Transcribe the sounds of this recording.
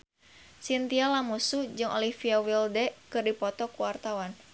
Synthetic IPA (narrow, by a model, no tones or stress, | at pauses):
sint̪ialamusud͡ʒɨŋʔo̰lifiawildɛkɨrdipɔt̪ɔkuwart̪awan